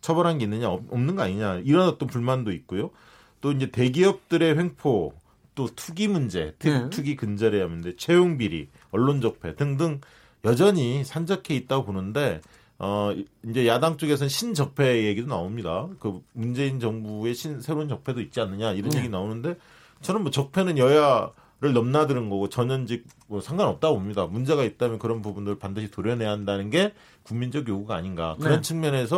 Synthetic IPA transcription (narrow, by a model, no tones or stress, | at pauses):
t͡ɕʰʌbʌɾɦanɡe̞inːɯɲaʌʌmnɯnŋɡʌaɲiɲaiɾʌnʌt͈ʌnpuɭmandoit̚k͈ojo | t͈oind͡ʑe̞te̞ɡiʌp̚t͈ɯɾe̞ɸe̞ŋpʰo | t͈otʰuɡimund͡ʑe̞̰tʰɯtʰuɡikɯnd͡ʑʌɾejamɯnde̞t͡ɕʰe̞joŋbiɾḭ | ʌɭːond͡ʑʌk̚pʰe̞tɯŋdɯŋ | jʌd͡ʑʌɲisʰand͡ʑʌkʰe̞it̚t͈aɡoponɯnde̞ | ʌind͡ʑe̞jadaŋt͡ɕ͈oɡe̞s̬ʰʌnɕʰind͡ʑʌk̚pʰe̞jeɡidonaomɲidakɯmund͡ʑe̞ind͡ʑʌŋbue̞ɕʰinsʰe̞ɾount͡ɕʌk̚pʰe̞doit̚t͡ɕ͈ianːɯɲaiɾʌnje̞ɡinaonɯnde̞ | t͡ɕʌɾʌnmwʌt͡ɕʌk̚pʰe̞nɯnjʌja | ɾɯɭnʌmnadɯɾɯnɡʌɡot͡ɕʌɲʌnd͡ʑik̚mʌsʰaŋɡanʌp̚t͈aɡobomɲidamund͡ʑe̞ɣait̚t͈amjʌnkɯɾʌnpubundɯɾɯɭpandɯɕʰitoɾjʌnɦe̞ɦandanɯnɡe̞ | kuŋmind͡ʑʌɡjoɡuɡaa̰ɲinɡa̰kɯɾʌnt͡ɕʰɯŋmjʌne̞sʰʌ